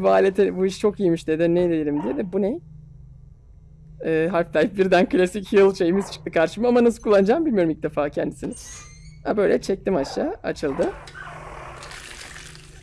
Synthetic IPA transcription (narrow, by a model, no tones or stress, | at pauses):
buaːlʲet̪ʰɛbuiʃt͡ʃʰo̞kijimyʃd̪ed̪inejd̪ed̪ilʲimd̪ijed̪ɛbunej | ɛːɦaɾft̪ʰajifbiɾd̪ænkɯlʲasicʰjɯlˠʃe̞jimizt͡ʃʰɯ̥k̚t̪ʰɯkʰaɾʃɯmɯamanas̬ɯlˠkʰulˠːand͡ʒaːmbilʲmijo̞ɾumic̚d̪efaːcʰænd̪isinɪ | abø̞jlʲɛt͡ʃʰɛc̚t̪imaʃʃaːa̰t͡ʃʰɯlˠd̪ɯ